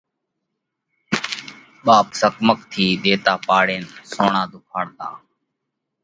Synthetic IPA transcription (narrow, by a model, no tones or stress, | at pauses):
ɓaːpsəkməkt̪ʰiːɗ̪eːt̪aːpaːɽeːnsoːɳaːd̪ʱʊkʰaːɽt̪a̰ː